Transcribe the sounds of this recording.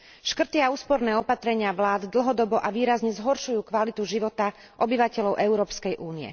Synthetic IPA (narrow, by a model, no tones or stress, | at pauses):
ʃkr̩t̪iauːspɔɾnɛːɔpat̪ɾɛɲɪaʋlaːd̪d̪l̩ɦɔd̪ɔbɔʔaʋiːɾazɲɛzɦɔɾʃujuːkʋalit̪uʒiʋɔt̪a | ʔɔbiʋacɛlɔʊʔɛʊɾɔːpskɛjʔuːniɛ̰